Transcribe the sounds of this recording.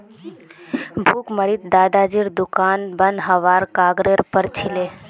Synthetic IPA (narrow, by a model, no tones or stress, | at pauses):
bʱuːkməɾit̪̚d̪aːd̪aːd͡ʒiːɾd̪ʊkaːnbənd̪ɦəʋaːɾkaːɡɾeɾpəɾt͡ʃʰileː